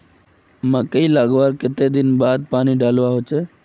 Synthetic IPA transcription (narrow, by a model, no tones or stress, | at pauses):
mãkəiːlaːɡʋaːɾkɪt̪ed̪ɪnbaːd̪̚paːniɖaːlʋaɦot͡ʃe